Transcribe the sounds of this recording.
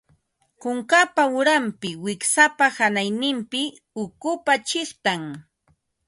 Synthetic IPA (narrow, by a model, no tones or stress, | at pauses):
kʊŋkapaʊɾampɪwɪksapahanajnɪmpɪ | ʊkʊpat͡ʃɪχt̪aŋ